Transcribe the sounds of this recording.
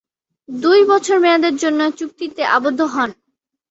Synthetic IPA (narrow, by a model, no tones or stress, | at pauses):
d̪ujbɔt͡ɕʰoɾmɛad̪eɾd͡ʑonːoet͡ɕuk̚t̪it̪eʔabod̪ʱːoɦɔn